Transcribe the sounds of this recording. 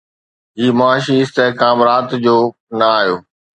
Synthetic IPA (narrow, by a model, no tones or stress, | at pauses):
ɦiːmʊaːʃiɪst̪eɦkãːmɾaːt̪d͡ʑoː | nɐaːjoː